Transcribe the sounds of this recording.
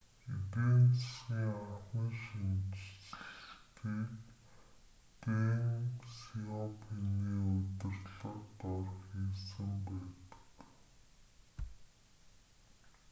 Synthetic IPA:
ipent͡ssxiːŋaχiːŋʃint͡ɕt͡ɕ̆t̪iːk | peŋsiɔpʰiniːɵt̪ɪ̆rɮə̆qt̪ɔrχxiːsɘ̆mpæːt̪ə̥̆k

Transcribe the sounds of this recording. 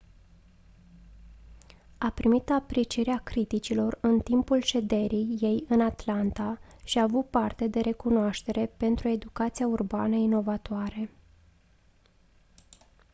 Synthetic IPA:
apɾimit̪apɾit͡ʃiɾeakɾit̪it͡ʃilo̞rɨnt̪impulʃe̞d̪e̞ɾijːe̞jɨnat̪lant̪a | ʃiaːvut̪̚part̪e̞d̪e̞ɾe̞kunoaʃt̪e̞ɾe̞pe̞nt̪ɾue̞d̪ukat̪siaurba̰nəino̞vat̪oaɾe̞

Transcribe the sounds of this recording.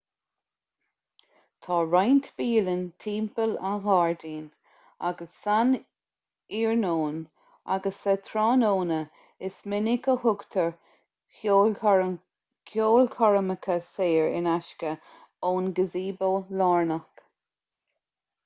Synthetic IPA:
t̪ʰɑːɹajnt̪v̥iːlənt̪ʰiːmpəlaɣɑːɹdiːn | a̰ɡəsːan | iːɹnoːn | a̰ɡəsət̪ʰɾɑːnoːnə | ɪsmɪnɪkəhʊɡt̪ʰəɹ | ko | kʰjoːlkʰɔɹəməkʰəseːɹɪ̰naʃkə | oːnɡəziːboːlaːɹnək

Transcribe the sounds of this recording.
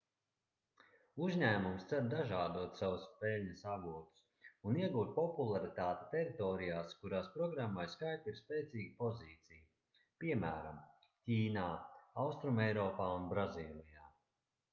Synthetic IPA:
uzʲɲæːmumst̪sɛɾd̪aʒaːd̪uɔt̪sawuspɛlʲɲəsaɡuɔt̪u̥s | uniɛɡuːt̪̚pɔpulˠaɾit̪aːt̪e̥t̪ɛɾit̪ɔːɾijaːskuɾaːspɾɔɡɾamːajskajt̪iɾspeːt̪siːɡipɔziːt̪sij | piɛmæːɾa̰m | cʲiːnaːawst̪ɾumɛjɾɔːpaːunbɾaziːlˠijaː

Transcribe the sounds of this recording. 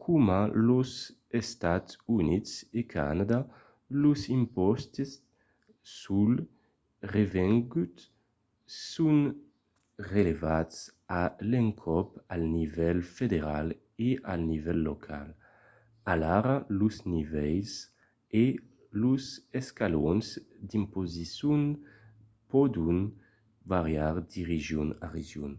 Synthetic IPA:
kʰumaluz | est̪at̪unitsekʰa̰nad̪a | luzimpɔst̪esː | ul | revɛŋɡut̪ | sun | relevats | alɛŋkʰɔpalnivɛlfed̪eʁal | eʔalnivɛlːokʰa̰l | alaɾaluznivɛjs | e | luzɛskalɔnzd̪impozisun | pɔd̪un | vaʁjaʁd̪iʁiʒjuna̰ʁeʒjun

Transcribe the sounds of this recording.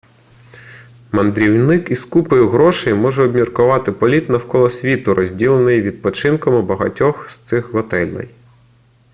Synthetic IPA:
mɐnd̪ɾʲiwnɪkiskupɔjʊɦɾɔʃɐjmɔʒɛɔbmʲirkʊʋɑt̪ɪpɔlʲit̪nɐwkɔlˠɔsʲʋʲit̪ʊɾʔɔzʲdʲilˠenɪjʋʲid̪̚pɔt͡ʃɪnkɔmɪbɐɦɐ̰tʲɔxst̪sɪxɦɔt̪ɛlʲnɪ̰j

